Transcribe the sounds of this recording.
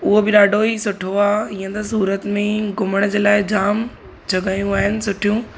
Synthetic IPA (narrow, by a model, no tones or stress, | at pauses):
ʊɦobɪɗaːɖʱoisʊʈʰoaːiə̃t̪ɐsuːɾət̪mẽɡʊməɽ̃d͡ʑeːlaːɪd͡ʑaːm | d͡ʑʱɐɡaːjũaːɦɪnɪ̆sʊʈʰijũ